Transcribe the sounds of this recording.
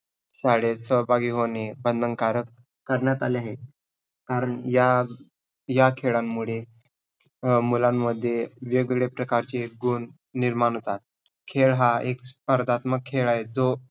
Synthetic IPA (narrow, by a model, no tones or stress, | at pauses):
saɽesəbʱaɡiːɦonebənd̪ʱənkaɾək | kəɾɳjat̪aleaɦe | kaɾəɳja | jakʰeɭamːuɭe | mulamːəd̪ʱːjeʋiɡɭepɾəkaɾt͡ɕeɡuːnː | iɾmañɦot̪at̪̚ | kʰeɭɦaekspəɾd̪ʱat̪məkʰːeɭaɦed̪o